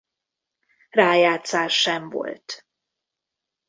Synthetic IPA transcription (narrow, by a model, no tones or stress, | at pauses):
raːjaːt̪saːɛɱvo̰lt̪